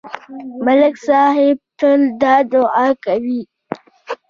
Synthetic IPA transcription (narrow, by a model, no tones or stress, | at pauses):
mɐlɪksaːɦɪb̚tʊldaːdoʔakɐbiː